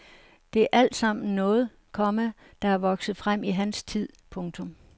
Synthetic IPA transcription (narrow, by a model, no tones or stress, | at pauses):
d̥e̝æɐʔæl̰d̥sɑ̈m̰n̩nːɔ̽ːð̞̩ˠ | kʰɒ̽mə | d̥ɑ̈æɐʋɒ̽ɡ̥sð̞̩ˠfʁam̰iɦænst͡sʰið̞̰ˠpʰɔ̽ŋt͡sʰɔ̽m